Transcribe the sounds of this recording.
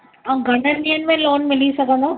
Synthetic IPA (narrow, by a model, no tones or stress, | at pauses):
aɡʱɐɽ̃əniənmẽloːnmɪlisɐɡə̃nd̪aː